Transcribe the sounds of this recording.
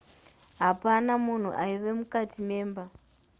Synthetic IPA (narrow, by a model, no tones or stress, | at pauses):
ɦapanamun̤ṵʔaiʋe̞mukatime̞ːmba